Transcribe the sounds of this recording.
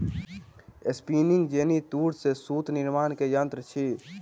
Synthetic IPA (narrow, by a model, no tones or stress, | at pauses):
espiːnɪ̃ŋɡd͡ʒeːnit̪uːɾsesuːt̪nɪɾmaːnkejənt̪ɾət͡ʃʰi